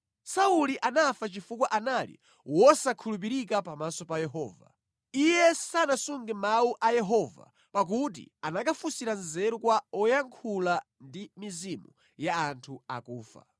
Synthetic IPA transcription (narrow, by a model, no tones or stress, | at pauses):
sauliʔanafat͡ʃifukwaʔanalḭ | wɔsakʰulup̬iɾikapamasɔpajɛɦɔ̰ːva̰ | ijɛsanasuŋɡɛmauʔajɛɦɔva̰ | pak̬ut̬ḭanakafusiɾanzɛɾɔkwaɔjaŋkʰula | ndimizimu | jaːntʰua̰kuːfa̰